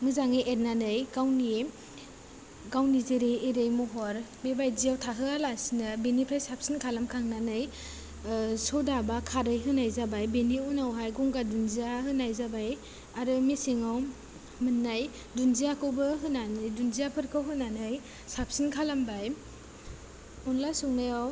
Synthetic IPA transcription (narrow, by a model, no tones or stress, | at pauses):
mɯzaŋiʔet̚nanɯjɡawni | ɡawnizeɾeeɾɯjmɔɦɔɾbebajziawtʰaɦɯalasinɯbenipʰɾajsap̚sinkʰalamkʰaŋnanɯj | sɔdabakʰaɾɯjɦɯnajzabajbeniunawɦajɡɔŋɡadunziahɯnajzabaj | aɾɯmisiŋaw | mɯnːaj | dunziakʰɯwbɯɦɯnanɯjdunzijapʰɯɾkʰɯwɦɯnanɯj | sap̚sinkʰalambaj | unlasuŋnajaw